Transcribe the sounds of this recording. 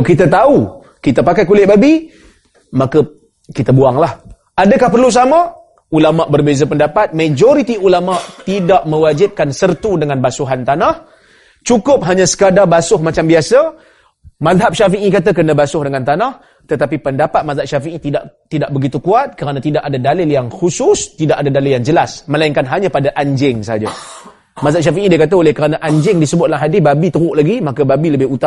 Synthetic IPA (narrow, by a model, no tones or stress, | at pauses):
kit̪at̪au | kit̪apakajkulɪʔ̪̚babi | makə | kit̪abuaŋlah | adəkahpərlus̬ama | ulamaʔbərbezapəndapat̪̚mad͡ʒoɾit̪iulamaʔt̪idaʔmə̃wad͡ʒɪp̚kansərt̪udəŋanbasuɦant̪anah | t͡ʃukʊp̚ɦaɲasə̥kadabasʊhmat͡ʃambiasa | mazɦap̚ʃafiʔikat̪ak̬ənəbasʊhdəŋant̪anah | t̪ət̪apipəndapat̪̚mazaʔʃafiʔit̪idaʔt̪idaʔ̚bəɡit̪ukuat̪̚kəɾanat̪idaʔadadalɪljaŋxusʊst̪idaʔadadalɪljaŋd͡ʒəlasməlaiŋkanɦaɲãpadaʔaɲd͡ʒɪŋsəɦad͡ʒa | mazaʔʃafiʔidiəkat̪aolɪhkəɾanaʔaɲd͡ʒɪŋdisəbʊt̪̚alaɦadɪsbabit̪əɾʊʔlaɡimakababiləbɪhut̪a